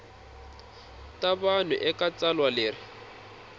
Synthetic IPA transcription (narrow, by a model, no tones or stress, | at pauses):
tabanʊʔɛkʼat͡salwalɪːrɪ